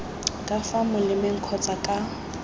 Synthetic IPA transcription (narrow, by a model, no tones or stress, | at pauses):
kʼafamʊlɪmɛŋ̩kʰɔt͡sʼakʼa